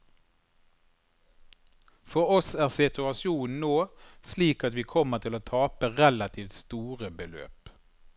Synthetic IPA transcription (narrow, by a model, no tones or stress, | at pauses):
fɔʁɔsæːʁsɪt̪ʉɑsɪuːn̩noːsliːkɑt̪ʋiːkʰɔmət̪ʰɪloːt̪ʰɑːpəʁɛlɑt̪ʰiːft̪st̪uːʁəbəlø̰ːp